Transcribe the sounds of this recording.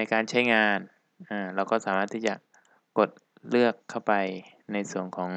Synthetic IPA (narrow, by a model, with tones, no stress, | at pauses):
a˧jkaː˧nt͡ɕʰa˥˩jŋaː˧n | ʔaː˧˩ɾɛː˧wkɔː˥˩saː˩˦maː˥˩t̪ʰːiː˥˩t͡ɕa˨˩ | ko˨˩t̪̚ | lɯ˥˩əkʰːa˥˩wpa˧j | na˧jsu˨˩ənkʰɔː˩˦ŋ